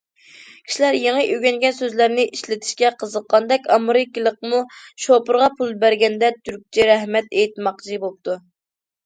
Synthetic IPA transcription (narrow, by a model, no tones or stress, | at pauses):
kʲʰi̥ʃilæɾjeŋəʔøɡʲɛŋɡʲɛnsøzlæɾnɪʔiʃlɪt̪ʰɪ̥ʃkʲɛqʰəzəqːɑnd̪ɛkʲɑmɨɾɨkʲilˠəqmuʃopʊɾʁɑpʰulˠbæɾɡʲɛnd̪ɛt̪ʰyɾk̚ʲt͡ʃʰiɾɛhmɛt̪ejt̪mɑqd͡ʒibolˠp̚t̪ʰu